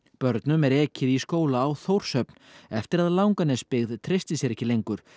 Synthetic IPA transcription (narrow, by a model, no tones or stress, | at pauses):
pœɾt̪nʏmɛɾɛːcɪðiskoːwlaːwθowɾ̥sœpnɛft̪ɪɾaðlawŋkanɛspɪɣðt̪ʰɾɪst̪ɪsjɛɾɛhçcːɪlejŋkʏɾ̥